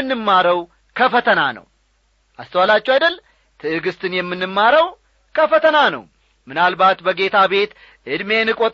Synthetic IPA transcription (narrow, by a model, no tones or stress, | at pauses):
ɨnːɨmːaɾəw | kʰəfət̪ʰəna̰nə̰w | ʔast̪ʰəwalat͡ʃːɛwajd̪əl | t̪ʰɨɨɡɨst̪ʰɨnjɛmːɨnːɨmːaɾəw | kʰəfət̪ʰənanə̰w | mɨnalbat̪bəɡe̞t̪ʰaβe̞t̪ | ʔɨd̪me̞nɨkʼot̪ʼ